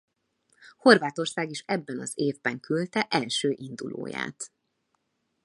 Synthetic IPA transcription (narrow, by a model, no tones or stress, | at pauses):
ho̞rvaːt̪o̞rsaːɡiʃɛbːɛnɒzeːvbɛŋkylt̪ɛʔɛlʃøːʔind̪ulo̰ːja̰ːt̪